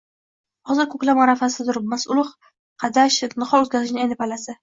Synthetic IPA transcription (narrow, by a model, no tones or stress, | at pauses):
hɒzɨɾkʰɵkʲlapmaɾafasɪd̪ʊɾmasʊlˠɪχ | qʰɑd̪aʃnɨχɒlˠɵzɡʲazɪʃnɪajnɪpalasɪ